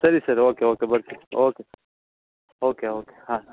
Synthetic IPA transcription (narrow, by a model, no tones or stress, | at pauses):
sɐɾisɐɾoːkeoːkebɐɾkioːke | oːkeoːke̥hãː